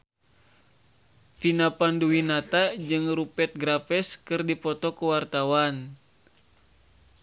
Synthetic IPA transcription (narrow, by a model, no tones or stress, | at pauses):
finapanduwinat̪ad͡ʒɨŋrupɛt̪̚ɡɾafɛskɨrdipɔt̪ɔkuwart̪awan